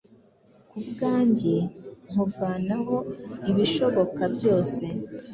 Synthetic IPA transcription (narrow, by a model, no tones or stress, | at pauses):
kubɡaːɲɟeŋ̥uɾvaːnaɦo̞iβiʃo̞βo̞kabɟo̞ːse̞